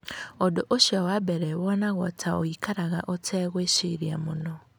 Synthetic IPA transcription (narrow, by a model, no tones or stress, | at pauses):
odoʔoʃiawabɛɾɛwɔnaɣɔtʰaoikaɾaɣaʔotʰɛːɣweʃiɾiamonɔ